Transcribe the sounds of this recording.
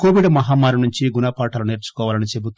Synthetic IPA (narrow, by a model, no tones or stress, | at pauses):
koːʋiɖmɐɦaːmaːɾunuɲt͡ʃiɡunɐːpaːʈɐluneːɾt͡ʃu̥kɔːʋaːlɐnit͡ʃebut̪